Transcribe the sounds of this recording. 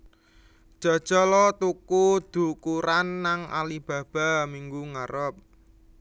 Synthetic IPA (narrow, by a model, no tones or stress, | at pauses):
d̥ʒ̥a̤d̥ʒ̥ɔ̤lɔt̪ukud̪̥ṳkuɾanːaŋʔa̰lib̥ä̤b̥a̤miŋɡuŋaɾɔp̚